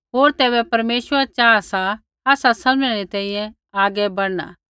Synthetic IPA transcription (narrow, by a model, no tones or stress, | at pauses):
ɦoːɾt̪ɛːbɛpɐɾmeːʃʋəɾat͡ʃaːsa | aːsasɐlmẽɾet̪ɛ̃ːĩjɛ̃ | aːɡɛbɐɽna̰ː